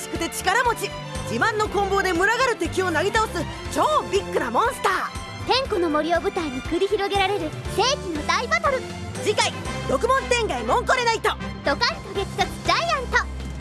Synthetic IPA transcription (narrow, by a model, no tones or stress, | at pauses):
ɕi̥kɯ̟t̪e̞t͡ɕi̥kaɾamo̞t͡ɕi | d͡ʑimãnːo̞kõ̞mbo̞ːd̪e̞mɯ̟ɾaɡaɾɯ̟t̪e̞kʲio̞naɡʲit̪aosɨ | t͡ɕoːbʲikːɯ̟ɾamõɰ̃sɨ̥t̪aː | t̪ẽ̞ŋko̞no̞mo̞ɾʲio̞ːbɯ̟t̪aiɲ̟ikɯ̟ɾʲiçiɾo̞ɡe̞ɾaɾe̞ɾɯ̟se̞ːkʲinod̪aibat̪oɾɯ̟ | d͡ʑikaiɾo̞kɯ̟mõ̞st̪ẽ̞ŋɡaimõ̞ŋkoɾe̞nait̪od̪̥o̞kaɕʲi̥t̪oɡe̞ki̥t̪osɨ̥d͡ʑaiãnt̪o̞